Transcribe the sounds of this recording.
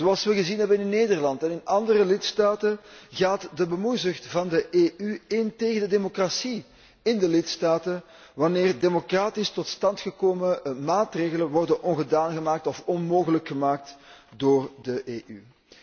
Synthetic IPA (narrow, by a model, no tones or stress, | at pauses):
zoɑlˠsʋəɣəzinɦɛbənɪnɪnːeːdərlɑntɛnɪnɑndərəlɪtstaːtəɣaːtdəbəmujzʏxtvɑndəʔeːʔyɪnteːɣəndədemokrasi | ɪndəlɪtstaːtən | ʋɑneːrdemokraːtɪstɔtstɑntxəkoːməmaːtreːɣələnʋɔrdənʔɔnɣədaːnɣəmaːk̚tɔfɔnmoːɣələkxəmaːk̚tdoːrdəʔeːʔy̰